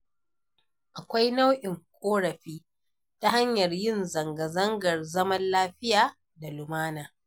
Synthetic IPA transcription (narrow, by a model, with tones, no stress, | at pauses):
ʔa˨kʷa˦jna˦wʔɪ˨ŋkʷʼoː˦ɽɐ˨ɸiː˦ | ta˦ɦa˦ɲjɐ˨rjɪ˦nzɐ˨ŋɡɐ˨zɐ˦ŋɡɐ˨rzɐ˦mɐ˦nlaː˦ɸɪ˦jaː˨ | da˨lʊ˨maː˦naː˨